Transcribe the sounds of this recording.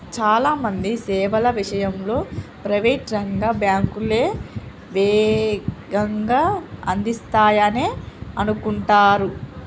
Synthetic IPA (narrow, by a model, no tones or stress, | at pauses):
t͡ʃaːlaːmɐnd̪isɛːʋɐlɐʋiʂɐjɐmlo̞ːpɾɐʋeːʈɾɐŋɡaːbjaːŋkuleː | ʋɛːɡɐŋɡaːɐnd̪ist̪aːjɐneːɐnukuɳʈaːɾu